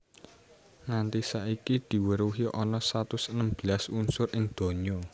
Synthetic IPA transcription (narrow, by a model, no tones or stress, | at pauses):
ŋant̪isaikid̪̥i̤wəɾuɦiʔɔnɔsat̪ʊsənəmb̥i̤lasunsʊrʔɪŋd̪̥o̤ɲɔ